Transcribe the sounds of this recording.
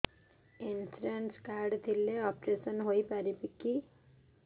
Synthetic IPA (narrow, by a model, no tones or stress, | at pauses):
ensɾanskaɾɖt̪ʰilːeɔpɾesənɦoipaɾipiki